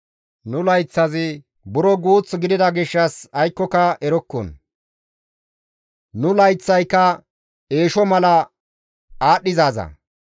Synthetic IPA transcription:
nʊlɐjt͡sːɐzɪ | bʊɾɔɡuːt͡sːɡɪd̪ɪd̪ɐɡɪʃːɐsɐjkːɔkɐɛɾɔkːɔ̰n | nʊlɐjt͡sːɐjkːɐ | e̞ːʃɔmɐlɐ | aːɗɪzaːzɐ̰

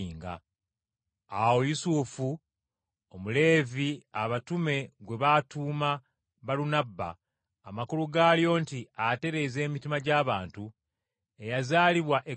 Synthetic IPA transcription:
iːŋɡa̰ | awo̞jusufu | omule̞ːviaβatume̞ɡwe̞βatuːma | βalunabːa̰ː | makuluɡaːljo̞ːntiate̞ɾe̞ze̞ːmitimaɟaːβaːntu | e̞jazaːliβwaʔe

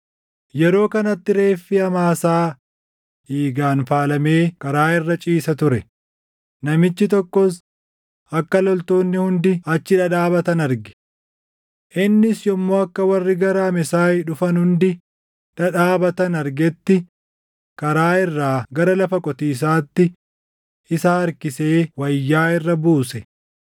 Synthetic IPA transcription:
jɛɾo̞ːkɐnɐt̪ːɪɾe̞ːfːɪɐmaːsaː | iːɡaːnfaːlɐme̞ːkɐɾaːɪrːɐt͡ʃʼiːsɐt̪ʊɾɛ | nɐmɪt͡ʃːɪt̪ɔkːɔs | ɐkːɐlɔlt̪o̞ːnːɪhʊnd̪ɪɐt͡ʃːɪᶑɐᶑaːbɐt̪ɐnɐɾɡɪ̥ | ʔɪnːɪsjɔmːoːɐkːɐwɐrːɪɡɐɾaːmɛsaːjᶑʊfɐnhʊnd̪ɪ | ᶑɐᶑaːbɐt̪ɐnɐɾɡɛt̪ːɪ | kɐɾaːɪrːaːɡɐɾɐlɐfɐkʼɔt̪iːs̬aːt̪ːɪ | ɪsɐɐɾkɪseːwɐjːaːɪrːɐbuːsɛ

